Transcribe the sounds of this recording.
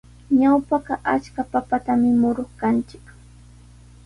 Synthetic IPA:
ɲawpaɢɑʔat͡ʃkapapat̪amɪmʊɾoχkant͡ʃɪk

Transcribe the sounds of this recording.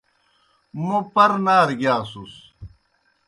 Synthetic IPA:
mopɐɾnaːɾɡjaːsus

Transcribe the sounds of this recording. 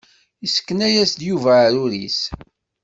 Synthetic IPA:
isə̥kːənæjæsd̪juvæɾuɾḭs

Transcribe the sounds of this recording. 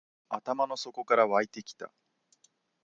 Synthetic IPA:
at̪amano̞so̞ko̞kaɾaβait̪e̞kʲi̥t̪a̰

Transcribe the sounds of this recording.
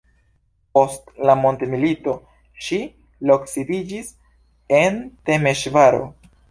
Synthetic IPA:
po̞stlamo̞ntemilito̞ | ʃi | lo̞ksibid͡ʒis | e̞nte̞me̞ʃvaɾo̞̰

